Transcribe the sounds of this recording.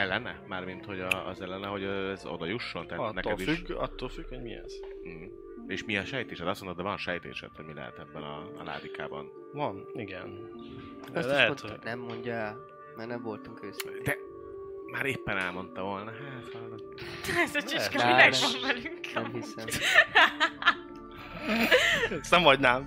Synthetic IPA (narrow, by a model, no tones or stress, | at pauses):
ɛlːɛnɛmaːrmint̪ho̞ɟɒɒzɛlːɛnɛɦo̞ɟɛzo̰d̪ɒjuʃːo̞nt̪aːnɛk̪ːɛd̪ifʃykɒt̪ːoːlfykʋoɟmiɛ̰z̥̩ɦ̩ | eːʃmiɒʃɛjt̪eːʃɛt̪ɒsmont̪od̪ɛvɒnʃɛjt̪ḛːʃɛ̰t̪hoɟmilɛ̰ɦɛ̰t̪ɛbːɛnɒ̰la̰ːd̪ika̰ːbɒ̰n | vɒniɡɛn | ɛlɛnɛmːoɲɟaɛ | mɛrnɛmvo̞lt̪uŋkeːsɛ̰d̪ɛ | maːɾeːpːɛnɛlmo̞nt̪ɒvoːlnɒɦɛt̪alːot̪ɛzɐt͡ʃiʃkɛminɛɡʋɔɱvɛlyŋkɛmhisɛ | sɛmɒɟnaːm